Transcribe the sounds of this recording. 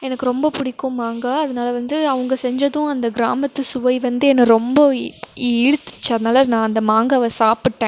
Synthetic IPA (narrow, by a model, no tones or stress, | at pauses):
ɛnɐkːɯɾɔmbɐpʊɽɪkːʊ̃maːŋɡaɐðɐnaːlɐʋɐnd̪ɯɐʋɐŋɡɐsɛɲd͡ʒɐðʊ̃ɐnd̪ɐɡɪɾa̰ːmɐt̪ːɯsʊʋɐɪʋɐnd̪ɯɛnːɐɾɔmbɐɪɻɯt̪ːɪ̥t͡ʃːɐðɐnaːlɐnãːɐnd̪ɐmaːŋɡɐʋɐsaːpɪʈːẽː